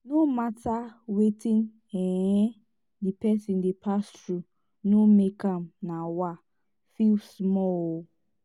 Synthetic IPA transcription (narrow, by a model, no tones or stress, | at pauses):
nomatawetĩn | ɛɛ̃ | dipɛsĩndepʰastɾu | nomekãmnawa | filsmɔ